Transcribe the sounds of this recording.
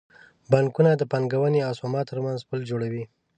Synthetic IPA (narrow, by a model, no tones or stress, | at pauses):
baŋkunad̪əpaŋɡawaneasɑmɑt̪əɾmanzpəld͡ʒoɽawi